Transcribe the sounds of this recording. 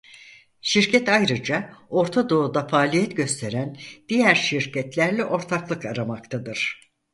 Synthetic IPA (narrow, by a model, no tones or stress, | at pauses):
ʃiɾcʰɛt̪ajɾɯd͡ʒao̞ɾt̪ʰad̪o̞ud̪afaːlʲijɛt̪ɟø̞st̪ʰe̞ɾænd̪̥ijæɾʃiɾcʰɛt̪lʲæɾlʲɛʔo̞ɾt̪ʰaklˠɯkaɾamakt̪ʰad̪ɯɾ̥